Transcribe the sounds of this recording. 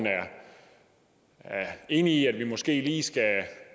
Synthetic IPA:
næɐ | æe̝ːniːæd̥ʋimɒ̽sɡ̥e̝̰ːliːsɡ̥æ

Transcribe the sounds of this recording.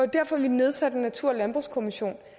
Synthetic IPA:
ɒd̥æɐ̰fɒ̽ʋine̝ð̞ˠsæd̥nːæt͡sʰuɐ̰lænb̥ʁuskʰo̝miɕo̝̰ːn

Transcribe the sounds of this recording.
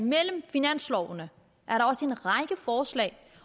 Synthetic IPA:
nmel̰m̩finæn̰slɒʊnə | ʔæɐɾɑ̈ɒ̽səe̝nʁɑ̈ɪɡ̥əfɒːslɛ̰ːɪ

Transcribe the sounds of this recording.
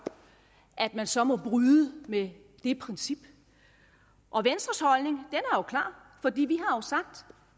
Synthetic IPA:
ʔæd̥mænsɒ̽mɒ̽b̥ʁyðˠəme | d̥e̝pʰʁɛnsib̥ | ʔɒ̽ʋensd̥ʁɐshɒ̽lne̝ŋd̥enæɐjokʰlɑ̰̈ː | fɒ̽d̥ḭːʋiɦɑ̈josɑ̈ɡ̥̚d̥

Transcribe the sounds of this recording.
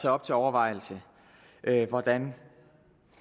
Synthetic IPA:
æɒ̽b̥̚t͡sʰe̝lɒʊɐʋɑ̈ɪ̰l̩sə | ʔøʋɒd̥æn

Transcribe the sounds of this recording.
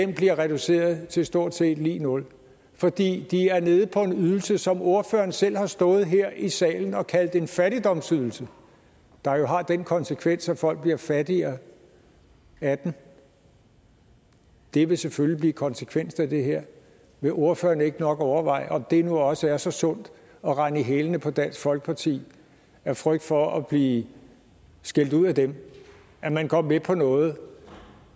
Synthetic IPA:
d̥emb̥liɐʁɛd̥use̝̰ːɐð̞ˠt͡sʰe̝lsd̥o̝ɐ̰d̥se̝̰ːd̥lḭːnɔ̽l | fɒ̽d̥ḭːd̥iæɐne̝ːð̞̩ˠpʰɒ̽e̝nyðˠl̩səsɒ̽mo̝ɐfø̰ːɐnsel̰hɑ̈sd̥ɔ̽ːð̩ˠɦeɐ̰ʔisɛ̰ːln̩ɒ̽kʰæld̥e̝nfæɾ̥id̥ɒ̽msyðˠl̩sə | d̥ɑ̈jo̝ɦɑ̈d̥enkʰɒ̽nsəkʰʋen̰sæfɒ̽l̰ɡ̥̚b̥liɐfæd̥iɐ | æd̥n̩ | d̥e̝ʋe̝sefølib̥liːkʰɒ̽nsəkʰʋen̰sn̩æd̥e̝ɦeɐ̰ | ʋe̝ʔo̝ɐfø̰ːɐnəe̝ɡ̥ənɒ̽ɡ̥ɒʊɐʋɑ̈ɪ̰ɒ̽md̥e̝nuɒ̽səæɐsɒ̽sɔ̽n̰d̥ | ɒ̽ʁɑ̈niɦelənəpʰɒ̽d̥æn̰sɡ̥fɒ̽lɡ̥ə̥pʰɑ̈t͡sʰḭː | æɐfʁœɡ̥̚d̥fɒ̽ɒb̥liː | sɡ̥e̝l̰d̥uð̰ˠæd̥em | ʔæmænɡ̥ʰɒ̽mmepʰɒ̽nɔ̽ːð̩ˠ

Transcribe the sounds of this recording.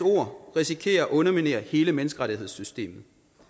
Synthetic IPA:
o̝ɐ̰ʁisikʰe̝̰ːɐɒʔɔ̽nɐmine̝ːɐhe̝ːləmenəsɡ̥əʁɑ̈ɾiɦe̝ð̞ˠsysd̥e̝̰ːmð̩ˠ

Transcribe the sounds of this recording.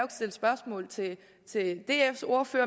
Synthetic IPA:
ɡ̥sd̥e̝lsb̥ɶɐsmɔ̰̽ːlt͡sʰe̝ | t͡sʰe̝d̥e̝̰ːefso̝ɐføɐ

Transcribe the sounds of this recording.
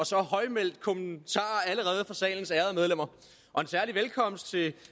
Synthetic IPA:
ɒ̽sɒ̽hɒ̽ɪmel̰d̥̚kʰo̝mənt͡sʰɑ̰̈ːæləʁɛːð̞̩ˠəfʁɑ̈sɛ̰ːln̩sæɐð̞̩ˠmeð̞ˠlem̰ɐ | ʔɒ̽e̝nsæɐliʋelkʰɒ̽m̰sd̥̚t͡sʰe̝

